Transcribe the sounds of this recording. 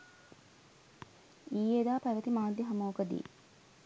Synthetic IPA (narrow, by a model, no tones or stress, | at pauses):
ijed̪aːpæʋət̪imaːd̪jɐɦɐmoːkəd̪ḭː